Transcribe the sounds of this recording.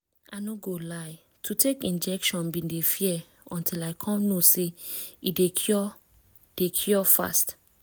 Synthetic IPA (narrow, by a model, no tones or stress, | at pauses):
ʔanoɡolaɪ | tʰutʰekĩnd͡ʒɛkʃɔ̃nbĩndefiɛ | ɔ̃ntʰilaɪkʰɔ̃mnoseidekʰɔ | dekʰjɔfa̰st